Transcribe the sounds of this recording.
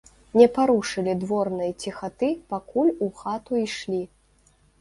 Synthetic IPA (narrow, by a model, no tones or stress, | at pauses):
nʲɛpaɾuʂɨlʲid̪vɔrnɨjt͡sʲixat̪ɨpakulʲuxat̪uiʂlʲi